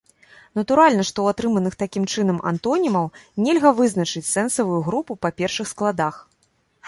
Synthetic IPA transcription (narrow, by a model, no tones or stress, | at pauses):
nɐt̪uɾalʲnɐʂt̪ɔwat̪ɾɨmɐnɨxt̪akʲimt͡ʂɨn̪ɐmʔa̰nt̪ɔnʲimɐwnʲɛlʲɣɐvɨznɐt͡ʂɨt͡sʲsɛnsɐvujuɣɾupupapʲɛrʂɨxsklˠad̪ax